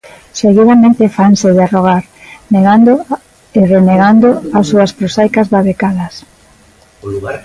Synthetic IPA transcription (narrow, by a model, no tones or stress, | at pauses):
seɣiɾamẽnt̪efanseðearoɣ̞aɾneɣand̪o | ereneɣand̪oasːuaspɾosajkazβaβekaðɐs